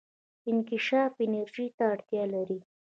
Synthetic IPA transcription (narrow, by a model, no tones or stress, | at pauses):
ɪnkɪʃɑfɪnaɾʒit̪aːɽt̪jɑlaɾi